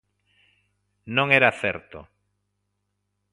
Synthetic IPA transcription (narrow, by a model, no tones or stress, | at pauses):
nõŋeɾaθeɾt̪o̰